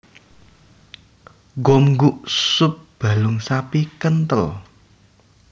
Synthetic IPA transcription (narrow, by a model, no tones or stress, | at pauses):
ɡɔmŋɡuʔsʊp̚b̥ä̤lʊŋsapikənt̪əl